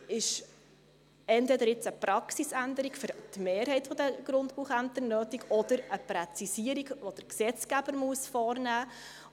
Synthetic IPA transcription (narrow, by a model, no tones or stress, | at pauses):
ɪʃ | ɛntvɛd̪əɾɪt͡səpɾɑksisænd̪əɾiɡfɵɾt̪meːrɦɛjtfɔd̪əɡ̥ɾʊndpuχæntənøːtiɡɔd̪əɾəpɾɛt͡sisiəɾiɡʋod̥əɾksɛt͡skæb̥əɾmuəsfɔːrnæː